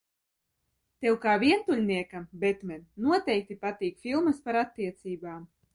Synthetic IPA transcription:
t̪ewkaːviɛnt̪ulʲniɛkabɛt̪mʲɛnnuɔt̪ɛjk̚t̪ipat̪iːkfilˠmɐspaɾat̪ːiɛt̪siːbaːm

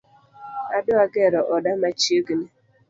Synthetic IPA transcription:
adʊaɡɛɾɔʔɔdamat͡ʃioɡine

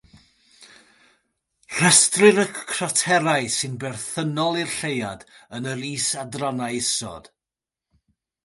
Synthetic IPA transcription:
r̥əstrɪɾəkkʰrɔtʰɛɾaɨsɪnbɛrθənɔlˠɪrɬejadənəɾiːsadranaɨɪsɔ̰d̥

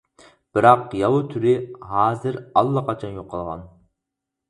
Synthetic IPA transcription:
b̥ɪɾɑqjɑwut̪ʰyɾɪɦɑːzɪɾɑlˠːɑqʰɑt͡ʃʰɑnjoqʰːɑlˠʁɑ̰n

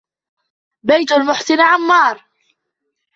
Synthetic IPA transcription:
bajt̪ʊlmʊħsɪnʕamːɑːɾˤ

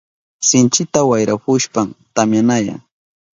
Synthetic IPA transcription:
sɪnt͡ʃɪt̪awajɾapʊʃpamt̪amjanaja̰ŋ

